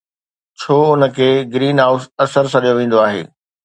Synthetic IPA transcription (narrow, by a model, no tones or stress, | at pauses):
t͡ɕʰoːʊnə̆kʰeːɡɾiːnɦaːʊsɐsəɾsʰɐɗijoʋẽːn̆d̪oaːɦḛː